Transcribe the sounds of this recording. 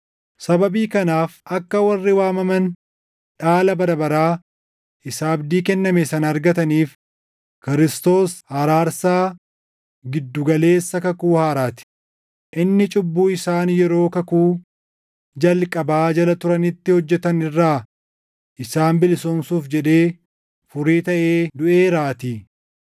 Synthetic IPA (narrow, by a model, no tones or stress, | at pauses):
sɐbɐbiːkɐnaːfʔɐkːɐwɐrːɪwaːmɐmɐn | ᶑaːlɐbɐɾɐbɐɾaː | ʔɪsaːɐbd̪iːkɛnːɐmesɐnːɾɡɐt̪ɐniːf | kɪɾɪst̪o̞ːshɐɾaːɾsaː | ɡɪd̪ːʊɡɐle̞ːsːɐkɐkuːhaːɾaːt̪ɪ̥ | ʔɪnːɪt͡ʃʼʊbːuːɪsaːnjɛɾo̞ːkɐkuː | d͡ʒɐlkʼɐbaːd͡ʒɐlɐt̪ʊɾɐnɪt̪ːɪhɔd͡ʒːɛt̪ɐnɪrːaː | ʔɪsaːnbɪlɪsɔmsuːfd͡ʒɛᶑe̞ː | fʊɾiːt̪ɐʔeːd̪ʊʔeːɾaːt̪iː